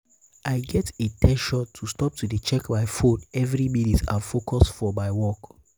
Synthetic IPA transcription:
aɪɡɛtetʰɛʃɔtʰːustɔp̚tudet͡ʃɛkbaɪfodɛvɹiminitã̰fokʰɔsfɔmaɪwɔk

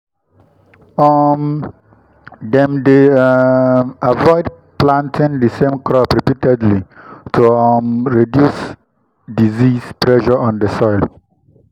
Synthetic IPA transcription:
ɔm | dɛ̃mde | avɔɪd̚ | plãntʰĩndəsẽmkʰɹɔpɹipitɛdlitʰuɔmɹidjus | dizispɹɛʃɔɔ̃ndəsɔjl

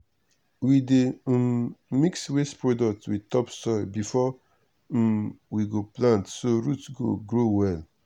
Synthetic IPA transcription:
wide | mikswestpɹɔdɔk̚twitɔpstɔbifɔ | wiɡoplãntsoɹutsɡo̰ɡɹowɛl

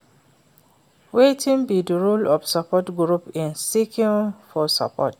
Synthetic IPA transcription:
wetʰĩnbidəɹulɔfsapɔtɡɹupĩnsikĩnfɔsa̰pɔ̰t

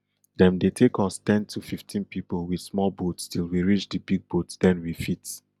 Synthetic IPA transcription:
dɛ̃mdetʰekɔstɛ̃ntʰufiftʰĩnpipəlˠwid̥smɔlˠbotstilˠwiɹit͡ʃdəbiɡ̚botdɛ̃nwifit

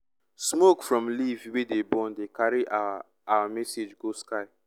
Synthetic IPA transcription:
smokfɹɔ̃mlivwedebɔ̃ndekaɾiʔa | awamɛsed͡ʒɡoskaɪ

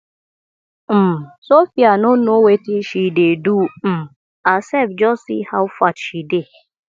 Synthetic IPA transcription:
m̩sofianonowetiʃidedum̩ | asevd͡ʒɔsihawfatʃide

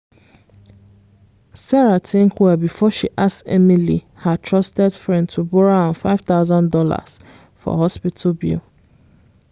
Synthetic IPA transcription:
sɛɹatʰɪ̃ŋkʰwɛbifɔʃiʔassɛmili | hatʰɹɔstɛdfɹɛ̃ndtʰubɔɹaãnfaɪv̥t̪aʊzɔ̃ndɔla̰s | fɔ̰ɦɔspitʰlbḭl

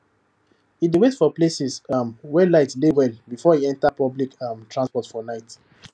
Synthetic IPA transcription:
hidewetfɔplesɛsmwɛlaɪtlewɛlbifɔiɛ̃ntapɔblikmtʰɹãnspɔtfɔnaɪt

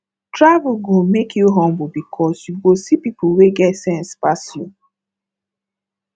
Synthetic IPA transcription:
tɹavulɡomekʰjuɦɔ̃mbʊbikʰɔsjuɡosipipʊweɡɛtsɛ̃nspasju

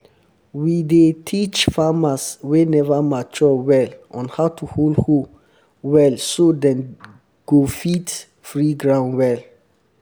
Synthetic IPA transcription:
widetʰit͡ʃfamaswenɛvamat͡ʃɔwɛlʔɔ̃nhaʊtʰuholho | wɛlsodɛ̃n | ɡ̥ofit | fɹiɡɹãʊ̃nwɛl

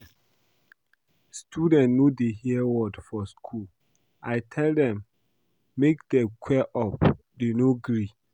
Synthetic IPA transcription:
stʰudɛ̃nnodehiwɔdfɔskʰul | ʔajtʰɛldɛ̃mː | ek̚dɛkʰwɛʔɔp | denoɡɹi

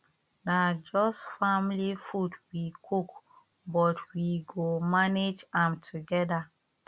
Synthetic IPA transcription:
nad͡ʒɔsfamlifudwikʰuk | bɔtwiɡomaned͡ʒãmtʰuɡɛda

